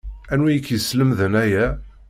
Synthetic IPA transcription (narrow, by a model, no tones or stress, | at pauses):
ænwijəkːjəsləmðənæjæ